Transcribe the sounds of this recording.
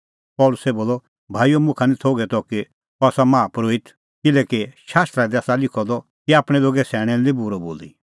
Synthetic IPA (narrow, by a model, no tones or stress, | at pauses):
pɔlʊsɛboːlːɔ | bʱaːijomʊ̃kʰanit̪ʰoːɡɛt̪ɔki | ɔaːsamaːpɾoːit̪ʰ | kɪlɛkiʃaːst̪ɾad̪iaːsalɪkʰɔd̪ɔ | kiaːpɽ̃ɛloːɡɛsɛːɽ̃ɛ̃libʊɾɔbo̰ːli